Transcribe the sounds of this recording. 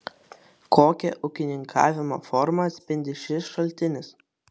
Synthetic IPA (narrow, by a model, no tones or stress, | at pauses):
kʰoːkʲɛʔʊkʲɪnʲɪŋkʰɑ̰ːʋʲɪmo̰ːfɔɾmɐt̪sʲpʲɪnʲd̪ʲɪʃʲɪsʃɐlʲt̪ʲɪnʲɪs